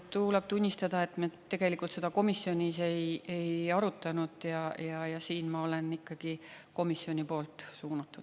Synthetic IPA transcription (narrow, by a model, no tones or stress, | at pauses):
t̪uːleb̥t̪unʲːist̪ɑd̪̥ɑe̞t̪ˑmet̪ːe̞ɡ̥e̞likːˑult̪se̞d̪ɑko̞misːjo̞nʲise̞je̞jɑɾut̪ːˑɑnud̪̥jɑjɑjɑsiːnmɑo̞le̞nikːɑɡ̥iko̞misjo̞nʲipo̞ːlt̪ˑsuːnɑt̪ˑːud̥̪